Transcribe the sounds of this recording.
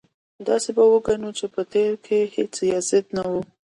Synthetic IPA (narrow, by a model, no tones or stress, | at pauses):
d̪ɑsebawəɡanut͡ʃepət̪eɾkʰehet͡sjɑzɪd̪nawu